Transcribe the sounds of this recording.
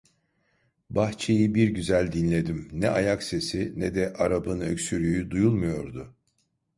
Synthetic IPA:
baxt͡ʃʰe̞jibiɾɟyzælʲd̪inlʲe̞d̪imnɛʔajakse̞sinɛd̪ɛʔaɾabɯnø̰csyɾyjyd̪ujulˠmujo̞ɾd̪ʊ

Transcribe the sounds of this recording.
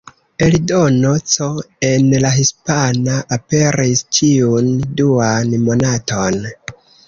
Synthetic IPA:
elidonot͡soe̞nlaɦispanaʔape̞ɾist͡ʃʰiunduanmo̞nato̞n

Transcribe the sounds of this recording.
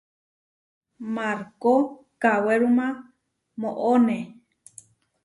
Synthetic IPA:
maɾko | kaweɾumã | moʔone

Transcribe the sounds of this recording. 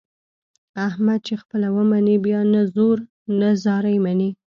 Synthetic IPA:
ahmad̪̚t͡ʃexpəlawəmanibjɑnazoɾ | nazɑɾajmani

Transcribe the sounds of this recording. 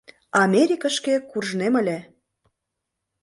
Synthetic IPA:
ɑmʲeɾʲikəʃkekurʒnemə̆lʲe

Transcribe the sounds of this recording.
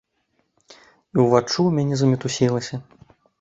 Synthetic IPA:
iwvat͡ʂumʲanʲɛzɐmʲɛt̪usʲilˠɐsʲɐ

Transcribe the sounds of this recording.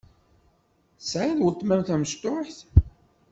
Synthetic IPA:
sʕiðwət̪ˤːmæmθæməʃt̪ʊħθ

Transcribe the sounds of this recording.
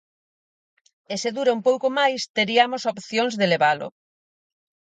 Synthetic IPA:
eseðuɾaumpowkomajst̪eɾiamosopθjoŋzðeleβalʊ̰

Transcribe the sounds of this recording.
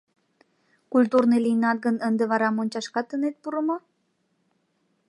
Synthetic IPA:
kult̪urnelinɑt̪̚ɡənənd̪eβɑɾɑmonʲt͡ɕɑʃkɑt̪ːənet̪̚puɾəmo

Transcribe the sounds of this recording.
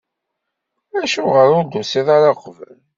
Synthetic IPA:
æʃʊʁəɾʊd̪usiðˤaɾɑqvə̰l

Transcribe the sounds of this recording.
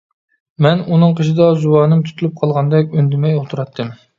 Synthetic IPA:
mɛnunɨŋqʰəʃid̪ɑzuwɑːnɨmt̪ʰy̥t̪ylyp̚qʰɑlˠʁɑnd̪ɛkʲønd̪ɪmɛjot̪ʰuɾɑt̪ːɨm

